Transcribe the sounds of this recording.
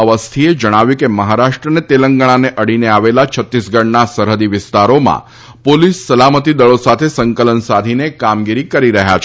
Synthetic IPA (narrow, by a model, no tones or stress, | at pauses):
əʋəst̪ʰied͡ʒəɽ̃aʋjũkeməɦaɾaʃʈɾənet̪eləŋɡəɽ̃aneʔəɽineaʋelat͡ʃʰət̪ːisɡəɳnasəɾɦəd̪iʋɪst̪aɾomã̰ | polisːəlamət̪id̪əɭosat̪ʰesəŋkələnsad̪ʱinekamɡiɾikəɾiɾəɦja̰t͡ʃʰ